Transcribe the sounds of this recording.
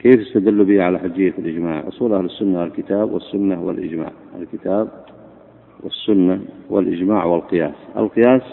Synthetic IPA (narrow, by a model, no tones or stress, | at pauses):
keːfɪst̪ad̪ɪlːubiːʕalaħʊd͡ʒɪjːafɪlʔɪd͡ʒmaːʕʔʊ̰sˤuːlʔahlɪsːʊnːaalkɪt̪aːbwɪsːʊnːawɪ̰lʔɪ̰d͡ʒma̰ːʕa̰lkɪt̪aːb̚ | wɪ̰sːʊnːawɪlʔɪd͡ʒmaːʕwɪlqɨjaːsʔa̰lqɨjaːs